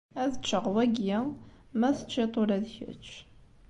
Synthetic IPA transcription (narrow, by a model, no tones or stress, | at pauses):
æðət͡ʃːəʁwæɡjæ | mæθət͡ʃːit̪ˤoɾæðçə̰t͡ʃː